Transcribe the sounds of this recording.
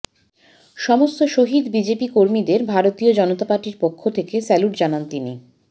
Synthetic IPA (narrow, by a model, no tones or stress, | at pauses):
ʃɔmost̪oʃoɦid̪bid͡ʑepikoɾmid̪eɾbʱaɾot̪iod͡ʑɔnot̪apaɾʈiɾpokʰːot̪ʰekesɛluʈd͡ʑanant̪inḭ